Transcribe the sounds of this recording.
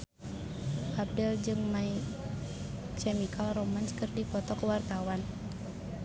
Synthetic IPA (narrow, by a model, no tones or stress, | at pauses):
ʔap̚dɛld͡ʒɨŋmai | t͡ʃɛmikʰalromanskɨrdipɔt̪ɔkəwart̪awan